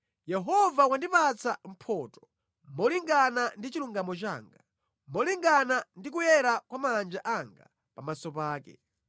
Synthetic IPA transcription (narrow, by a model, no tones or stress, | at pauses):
jɛɦɔvawandipat͡sam̩pʰɔːtɔ̥ | mɔliŋɡanandit͡ʃiluŋɡamɔt͡ʃa̰ːŋɡa | mɔliŋɡanandik̬ujɛɾakwamaland͡ʒaʔaŋɡa̰ | pamasɔpaːkɛ̰